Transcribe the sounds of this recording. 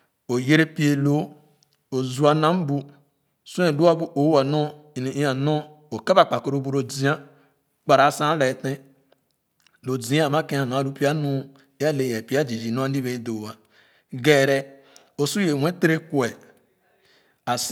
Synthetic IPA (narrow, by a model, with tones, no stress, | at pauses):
o˨je˦ɾe˦pi˦e˨lo˦ | o˨zu˦a˨na˦m̩˦bu˦˨ | su˦e˨lu˦a˦bu˦ʔo˨˦a˨no˦˨ | n˨i˦a˨no˦ | o˨ke˦ba˨k͡pa˨ko˨ɾo˨˦bu˨ɾo˨d͡zi˦a˦ | k͡pa˨ɾa˨˦˨sã˦le˨tẽ˦ | lo˨d͡zi˨˦a˦˨ma˦ke˦a˨no˨a˦˨lu˦pi˦a˦nu˦ | e˦a˦le˨je˨pi˦a˦d͡ʒi˨d͡ʒi˨no˦a˦di˦βe˨˦do˨wa˨ | ɡe˨ɾɛ˦ | o˨su˦je˨we˦te˦ɾe˦kwe˨ | a˨s